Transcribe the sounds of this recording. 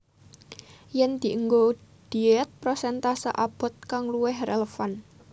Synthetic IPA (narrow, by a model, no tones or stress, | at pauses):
jɛnd̪̥i̤ʔəŋɡo | d̪̥i̤ɛt̪̚pɾosɛnt̪asə̰ʔab̥ɔ̤t̪̚kaŋluwɪhreləfan